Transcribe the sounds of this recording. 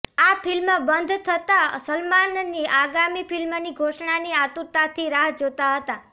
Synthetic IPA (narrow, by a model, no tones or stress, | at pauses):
apʰɪlməbənd̪ʱt̪ʰət̪asəlmanniaɡamipilmniɡʱoʃɳaniat̪uɾt̪at̪ʰiɾaɦd͡ʒot̪aɦət̪a